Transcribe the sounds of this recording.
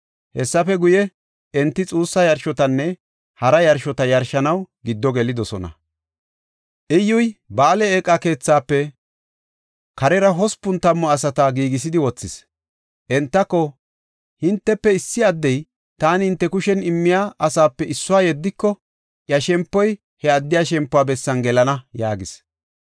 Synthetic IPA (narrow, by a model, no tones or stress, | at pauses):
hɛsːɐfɛɡʊjɛ | ɛnt̪ːɪt͡sʼuːsːɐjɐɾʃɔt̪ɐnːɛ | hɐɾɐjɐɾʃɔt̪ɐjɐɾʃɐnɐwɡɪd̪ːɔɡɛlɪd̪ɔsɔnɐ̰ | ʔɪjːʊjbaːlɛeːkʼːɐke̞ːt͡sːaːpːɛ | kɐɾɛɾɐɦɔspːʊnt̪ɐmːɔɐsɐt̪ɐɡiːɡɪs̬ɪd̪ɪwɔt͡sːɪs | ʔɛnt̪ːɐkːɔ | hɪnt̪ːɛpːɛɪsːɪɐd̪ːɛj | t̪aːnɪhɪnt̪ːɛkʊʃɛnɪmːɪjaːʔɐsaːpːɛɪsːʊwaːjɛd̪ːɪkːɔ | jɐʃɛmpːɔj | hɛɐd̪ːɪjaʃɛmpːʊwaːbɛsːɐnɡɛlɐnɐjaːɡɪs